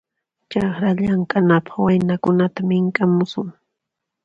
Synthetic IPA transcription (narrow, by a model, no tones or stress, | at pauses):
t͡ʃɑχɾaʎaŋkanapḁχwajnakʊnat̪amɪŋkamʊsʊŋ